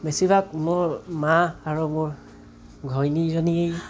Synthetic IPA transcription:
besibak̚mʊɹmaaɹumʊɹ | ɡʱɔjnizɔniej

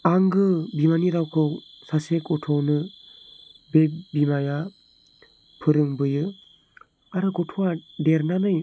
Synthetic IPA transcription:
aŋɡɯbimaniɾawkʰɯw | sasekɔtʰɔwnɯ | bebimaja | pʰɯɾɯŋbɯjɯ | aɾɯɡɔtʰuwadeɾnanɯj

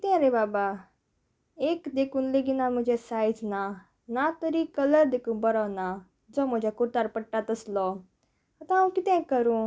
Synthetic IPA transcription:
kɪt̪ẽɾebaːba | eːkd̪eːkunleːɡinãːmʊ̃d͡ʒesaːid͡ʒnã | nãt̪əɾiːkələɾd̪eːkũːbəɾɔːnãː | d͡ʒoːmʊ̃d͡ʒakʊɾt̪aɾpəʈːat̪əslɔː | ɐt̪ãũːkɪt̪ẽkəɾũː

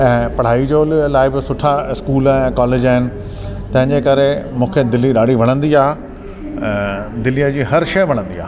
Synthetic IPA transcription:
ɛ̃ːpɐɽ̤aːid͡ʑoːllaːɪbɪsʊʈʰaɪskuːlɛɛ̃kɔːleːd͡ʑaːɦɪnɪ̆ | t̪ɐ̃ɦɪ̃ɲd͡ʑekɐɾemũːkʰed̪ɪlːiɗaːɽ̤ʱiʋ̤ɐɽ̃ə̃nd̪iãː | d̪ɪlijəd͡ʑiːɦɐɾʃɐjʋ̤ɐɽ̃ə̃nd̪ia̰ː

